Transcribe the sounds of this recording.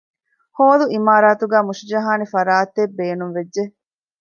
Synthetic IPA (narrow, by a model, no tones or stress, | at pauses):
hoːluimaːɾaːt̪uɡæːmuʃid͡ʒɐɦaːnifɐɾaːt̪ebːeːnunʋed͡ʒʒe